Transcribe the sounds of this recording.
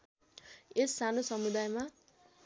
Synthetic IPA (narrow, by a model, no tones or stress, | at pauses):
esːanosʌmud̪ajma